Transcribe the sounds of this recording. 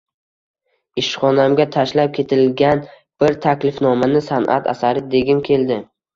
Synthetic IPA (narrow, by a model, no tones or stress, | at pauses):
ɪʃχɒnamɡʲat̪ʰaʃlap̚kʲʰe̞t̪ʰɪlɡʲan | b̥ɪɾt̪ʰakʲlɪfnɒmanɪsanʔa̰t̪ʰa̰saɾɪd̪e̞ɡʲɪmkʲʰe̞ld̪ɪ